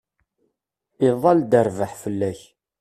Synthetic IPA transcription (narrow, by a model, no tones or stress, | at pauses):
iðˤɑld̪əɾvəħfəlːæç